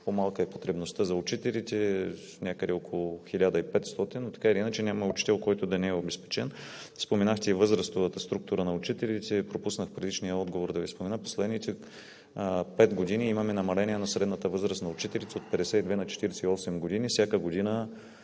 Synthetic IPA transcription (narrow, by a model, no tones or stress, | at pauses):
pomalˠkəɛpot̪ɾɛbnost̪əzɐʊt͡ʃit̪ɛlit̪ɛ | nʲakəd̪ɛokolˠʊxilʲad̪əipɛt̪st̪ɔt̪inːot̪ɐ̥kaɛlinət͡ʃɛnʲamɐʊt͡ʃi̥t̪ɛlˠkɔjt̪ʊd̪ɐnɛɛobɛspɛ̥t͡ʃɛn | spomɛnaxt̪ɛivɤzɾəst̪ovət̪əst̪ɾuk̚t̪uɾənɐʊt͡ʃit̪ɛlit̪ɛpɾopusnəxpɾɛd̪it͡ʃnijəɔd̪ɡovoɾd̪ɐvispomɛnəpo̥slɛd̪nit̪ɛ | pɛt̪ɡod̪iniimɐmɛnɐmɐlɛnʲiɛnɐsɾɛd̪nət̪əvɤzɾəst̪nɐʊt͡ʃit̪ɛlit̪sɛot̪̚pɛd̪ɛsɛid̪vɛnɐt͡ʃɛ̥t̪iɾɛsɛiɔsɛmɡod̪inifsʲjakəɡod̪inə